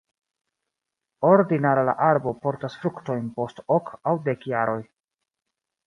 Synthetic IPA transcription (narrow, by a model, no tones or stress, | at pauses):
o̞ɾdinaɾala̰ʔaɾbo̞po̞ɾtasfɾukto̞jnpo̞stokawde̞kjaɾo̞j